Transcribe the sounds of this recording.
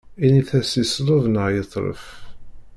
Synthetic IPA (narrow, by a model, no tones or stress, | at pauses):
iniθæsislˤoðnəʁjət̪ˤːɾˤə̰f